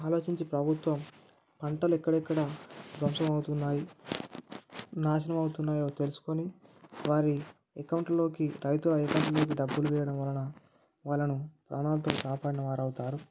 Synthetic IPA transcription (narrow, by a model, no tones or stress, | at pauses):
aːlo̞ːt͡ʃiɲt͡ʃipɾɐbʱut̪ʋɐm | pɐɳʈɐlɛkːɐɽɛkːɐɽɐd̪ɾɐmsɐmɐwut̪unːaːji | naːʃ̬ɐnɐmɐwut̪unːaːjo̞ːt̪elusu̥ko̞niʋaːɾi | ekɐwɳʈlo̞ːkiɾɐjt̪ulɐekɐwɳʈlo̞ːk̬iɖɐbːuluʋɛːjɐɽɐmʋɐlɐnɐ | ʋaːɭːɐnupɾʔaːnaːlɐt̪o̞ːkaːpaːɽinɐʋaːɾɐwut̪aːɾu